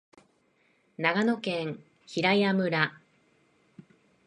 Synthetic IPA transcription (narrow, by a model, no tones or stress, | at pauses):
naɡano̞kẽ̞ŋ̃ | çiɾaiamɯ̟ɾa